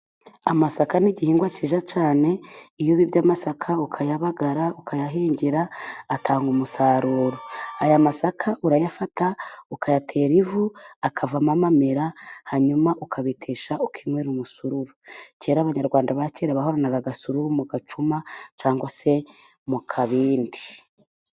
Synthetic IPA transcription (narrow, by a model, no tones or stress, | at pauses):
amasakaniɟihiːŋɡwat͡ʃiːʒat͡ʃaːne̞ijoβibɟaːmasakʰaukʰajaβaɡaɾaukʰajaɦiːɲɟiɾaːtʰaːŋɡumusaːɾuːɾoajamasakʰaʔuɾajafataukajatʰe̞ːɾivuakʰavamamameɾahaɲumaʔukʰaβitʰeːʃaukʰimweɾumusuɾuɾuceːɾaβaɲaɾɡwaːndaβaceːɾaβaɦo̞ɾanaβaɡasuɾuɾumuɡat͡ʃumat͡ʃaːŋɡwase̞ | mukʰaβiːndi